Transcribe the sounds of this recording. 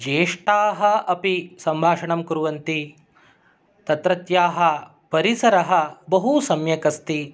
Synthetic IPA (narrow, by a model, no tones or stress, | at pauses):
d͡ʒeːʂʈaːɦɐɐpisɐmbʱaːʂɐɳɐmkuɾuʋɐnt̪i | t̪ɐt̪ɾɐt̪jaːɦɐ̆ | pɐɾisɐɾɐɦɐbɐɦusɐmjɐkɐst̪i